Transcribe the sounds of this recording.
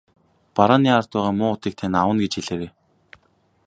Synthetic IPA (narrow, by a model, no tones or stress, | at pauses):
paɾaːniːar̥t̪ʊːʁaːmʊːʊt̪iːk̚t̪ʰenawə̆nɡet͡ɕxeɮeːɾeː